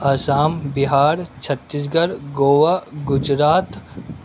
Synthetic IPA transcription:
ɐsaːmbɪɦaːɾt͡ʃʰɐt̪ːis̬ɡɐɾɡoːʋaɡʊd͡ʒɾaːt̪

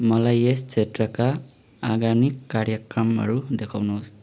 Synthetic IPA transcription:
mʌlajest͡ʃʰetɾʌka | aɡanikːaɾjʌkɾʌmʌ̰ɾud̪ekʰawnus

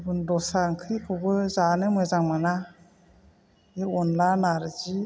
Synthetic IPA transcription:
bɯndɔsaŋkʰɯjkʰubɯzanɯmɯzaŋmana | eɔnlanaɾzi

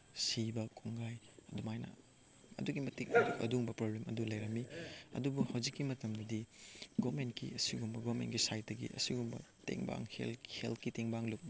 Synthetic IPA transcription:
sibɐkʰuŋɡajɐdumajnɐ̰ | ɐ̰duɡimɐtik̚ɐdukɐ̰duŋbɐpɾoblemɐdulɐjɾɐmːiɐ̰dubuhawd͡ʒikːimɐtɐmdɐdiɡomentkḭɐsiɡumbɐɡomḛntɡisajt̚dɐɡḭʔɐ̰siɡumbɐ̰tḛŋba̰ŋhḛlheltkiteŋbaŋluk̚ni

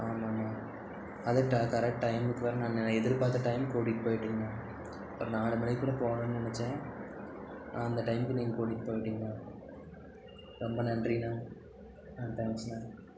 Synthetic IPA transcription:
aːmaːmaː | ɐðɯʈakɐɾɛk̚ʈːʈɐɪmɯkːɯʋɐːɾɐnãːnɐɛðɪɾpaːt̪ːɐʈɐɪmkoːɽɪkːɯ̥poːjɪʈːiŋɡɐnãː | ɐpːɯɾɔ̃naːɽɐmɐɽɐkːuːɽɐpoːnɐ̃ːnːɯɐnɐt͡ʃːẽː | ãːɐnd̪ɐʈɐɪmkːɯniːŋɡɐkoːɽɪkːɯ̥poːjɪʈːiŋɡɐnãː | ɾɔmbɐnɐndrinãː | aːʈɐɪmsnaː

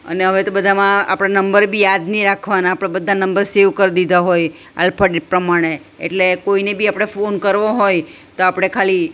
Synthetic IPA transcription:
ə̰neɦəʋet̪obəd̪ʱamãa̰pɽ̃anəmbəɾbʱijad̪niɾakʰʋanaːpɽ̃abəd̪ʱːanəmbəɾseʋkəɾd̪id̪aɦoj | a̰lpʰəɖpɾəmaɽ̃e | ḛʈlekoinebʱiapɽ̃efonkəɾʋoɦoj | t̪oapɽ̃ekʰali

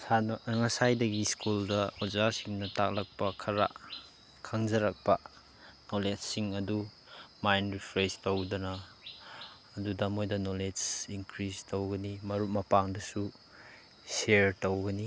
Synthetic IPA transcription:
sanŋɐsajdɐɡiskuldɐozasiŋnɐtak̚lɐk̚pɐkʰɐɾa̰ | kʰɐŋd͡ʒɐɾɐk̚pɐ | noled͡ʒsiŋɐdu | majnɾipʰɾestowdɐnɐ | dudɐmojdɐnoled͡ʒiŋkɾistowɡɐnimɐɾut̚mɐpaŋdɐsu | seɾtowɡɐni

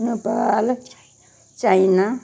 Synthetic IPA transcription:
nupal | t͡ʃaina

